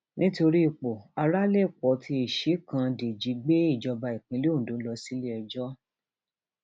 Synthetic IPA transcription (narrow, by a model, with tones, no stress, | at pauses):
nĩ˦to˧ɾi˦i˨k͡po˨a˧ɾa˦le˦˨k͡pɔ˨˦tʰi˧e˨ʃi˨˦kã˧de˨d͡ʒi˨˦ɡ͡be˦i˦˨d͡ʒɔ˧ba˧i˨k͡pĩ˧˦le˦õ˦˨dõ˨˦lɔ˧˦si˦le˦ɛ˧d͡ʒɔ˦